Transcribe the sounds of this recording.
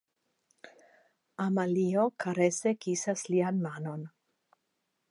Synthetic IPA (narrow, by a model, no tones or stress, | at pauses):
amaliokʰaɾesekisaslianmano̞n